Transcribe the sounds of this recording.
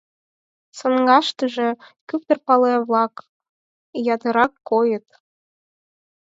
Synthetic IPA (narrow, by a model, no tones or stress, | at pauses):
sɤnɡɑʃt̪əʒĕkyp̚t̪ə̆rpɑleβlɑk | jɑt̪əɾɑkːojə̆t̪